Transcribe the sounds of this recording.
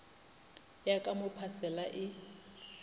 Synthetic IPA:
jakʼamʊpʰasɛlaʔɪ

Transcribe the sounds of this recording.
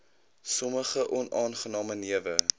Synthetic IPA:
sɔməχəʔɔnʔɑːnχənɑːməniəvə

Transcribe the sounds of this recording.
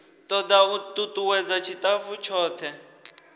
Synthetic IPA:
t̪ɔd̪aut̪ʼut̪uwɛd͡zat͡ʃʰit̪ʼavut͡ʃʰɔːt̪ʰɛ

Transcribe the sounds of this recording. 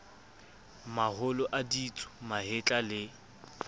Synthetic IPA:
mahʊlɔʔadit͡sʼʊ̥mahɪt͡ɬʼalɪ

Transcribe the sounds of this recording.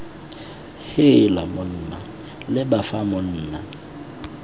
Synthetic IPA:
hɪlamʊn̩ːna | lɪbafamʊn̩ːna

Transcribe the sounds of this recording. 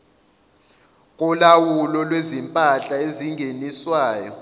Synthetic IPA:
k̬ʼulawulɔlwezimpʼaɬaeziŋʱeniswaːjɔ̰

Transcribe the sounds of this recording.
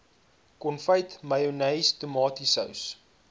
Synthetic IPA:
kɔnfəjtmɐjonɛjstəmɑːtisə̰ws

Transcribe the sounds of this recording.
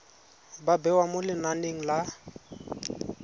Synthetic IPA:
babɛwamʊlɪnaneŋ̩la

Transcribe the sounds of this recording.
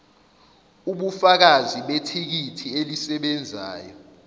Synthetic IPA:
uɓufak̬aziɓetʰik̬itʰielisɛɓɛnd͡zʱa̰ːjɔ

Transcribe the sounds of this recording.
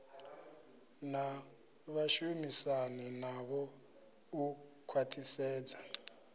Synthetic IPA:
na | βaʃumisaninaβɔ | ukʰwatʰisɛːd͡za

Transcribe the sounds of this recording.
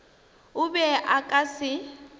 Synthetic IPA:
ʊbɛʔakʼasɪ

